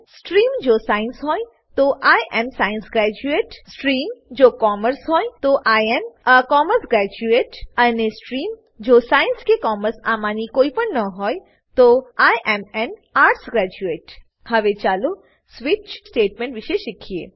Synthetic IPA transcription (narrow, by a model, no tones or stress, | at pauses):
sʈɾiːmd͡ʒoːsaːɪnsɦoːi | t̪oʔaːjʔɛmsaːɪ̃nsɡɾɛːd͡ʒueːʈsʈɾiːmd͡ʒoːkɔːməɾsɦoːĩt̪oʔaːjɛmkɔːməɾsɡɾɛːd͡ʒueːʈɐnesʈɾiːm | d͡ʒoːsaːjɪnskekɔːməɾsa̰ːmaːnikoːipəɾnɐɦoːj | t̪oaːjʔɛmɛnaːɾʈsɡɾɛːd͡ʒueːʈ | hɐʋet͡ʃaːlo | sʋɪt͡ʃsʈeːʈmẽɳʈʋɪʃeʃɪkʰiḛː